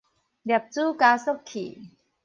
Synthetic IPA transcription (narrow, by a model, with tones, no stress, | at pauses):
dɛ˨˩p̚t͡suː˥˩˨kaː˧˦so˥˨p̚kʰːḭː˨˩